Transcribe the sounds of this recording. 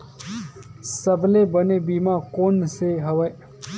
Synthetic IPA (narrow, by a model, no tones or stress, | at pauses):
səblebənebiːmaːkoːnseɦɐʋə